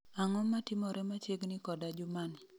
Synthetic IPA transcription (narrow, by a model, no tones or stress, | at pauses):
aŋɔmːatɪmɔɾɛmat͡ʃjeɡnɪkɔdad͡ʒʊmanɪ